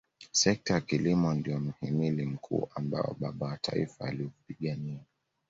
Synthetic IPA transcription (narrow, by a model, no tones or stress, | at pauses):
sɛk̚tajakilimɔndijɔm̩himilim̩kʰṵːʔamba̰ɔ̰ɓaɓawatʰa̰ḭfaːlivpiɠania